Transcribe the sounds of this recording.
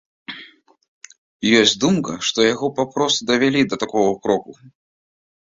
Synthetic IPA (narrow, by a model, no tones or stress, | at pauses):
jɔsʲt͡sʲd̪umkɐʂt̪ɔjaɣɔpapɾɔst̪ud̪ɐvʲalʲid̪ɐt̪akɔɣɐukɾɔku